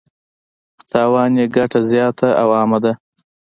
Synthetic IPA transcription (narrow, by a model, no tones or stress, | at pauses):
xt̪ɑwɑːneɡaʈazjɑːt̪ʰaawɑːmad̪a